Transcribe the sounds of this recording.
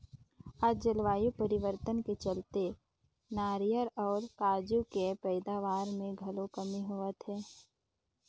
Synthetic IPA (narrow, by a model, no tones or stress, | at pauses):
aːd͡ʒəlʋaːjupəɾɪʋəɾt̪ənket͡ʃəlt̪e | naːɾijəɾɔːɾkaːd͡ʒukepɛɪd̪aːʋaːɾmẽɡʱɐlõkəmiɦoːət̪ɦɛː